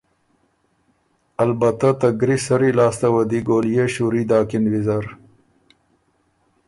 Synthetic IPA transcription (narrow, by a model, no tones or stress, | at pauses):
ɐlbat̪at̪aɡɾisɐɾilɑːst̪awɐd̪iɡoːljeʃuɾid̪ɑːkɪnwizaɾ